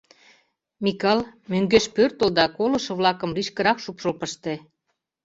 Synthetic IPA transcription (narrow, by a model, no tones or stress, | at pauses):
mikɑlmøŋɡeʃpørt̪ə̆ld̪ɑkolŏʃɤ̆βlɑkə̆mliʃkə̆ɾɑkʃupʃəlpəʃt̪e